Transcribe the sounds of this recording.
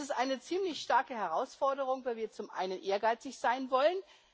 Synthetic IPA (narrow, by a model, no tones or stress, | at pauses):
ɪstʔaɪnət͡siːmlɪçʃtaɐkəɦɛʁaʊsfɔɐdəʁʊŋvaːviːɐt͡sʊmʔa̰ɪnənʔeːɐɡaɪt͡sɪçz̥aɪnvɔlən